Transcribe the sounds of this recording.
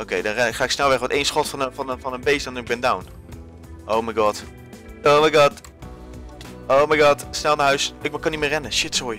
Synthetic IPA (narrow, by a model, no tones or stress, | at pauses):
owkejdɑ̃nrɛnɪkχaːɪksnɛlˠʋɛχʋɔtejnsχɔtfnfɑnfɑnənbejsdɔndəɪk̚bɪndawn | ʔowmajɡɑːt | omajɡɑt | oːmajɡɑːtsnɛlˠnaːɦœɥsɪkmakɑnitmɪːrɛnəʃɪtsoj